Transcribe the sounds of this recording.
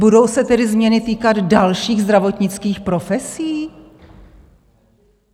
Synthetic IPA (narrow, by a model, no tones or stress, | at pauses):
budowsɛt̪ɛdɪzmɲɛnɪt̪iːkad̪dalʃiːɣzd̪ɾavo̞t̪ɲɪt͡skiːxpɾo̞fɛsiː